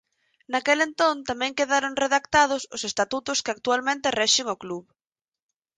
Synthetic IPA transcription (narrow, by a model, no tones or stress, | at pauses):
nakelent̪õnt̪amɛ̃ŋkeðaɾoŋreðakt̪að̞ʊsʊsest̪at̪ut̪ʊskɪak̚t̪ualmẽnt̪erɛʃɪŋokluβ